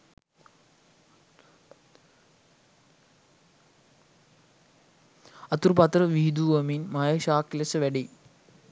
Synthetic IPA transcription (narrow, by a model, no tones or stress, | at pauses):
ɐt̪uɾpɐt̪ɾɐʋid̪uʋɐminmajɐʃaːkːilɐsɐʋɐɖi